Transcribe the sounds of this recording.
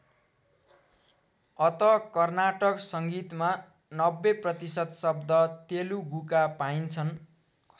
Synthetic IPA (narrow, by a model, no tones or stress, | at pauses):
ʌt̪ʌkʌrnaʈʌksʌŋɡit̪ma | nʌbːeprʌt̪isʌd̪sʌb̚d̪ʌt̪eluɡukapaint͡sʰʌn